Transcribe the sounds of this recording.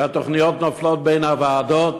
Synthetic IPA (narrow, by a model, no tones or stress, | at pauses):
ɛtɔχniɔtnɔflˠɔt̚beɪnavaːdɔ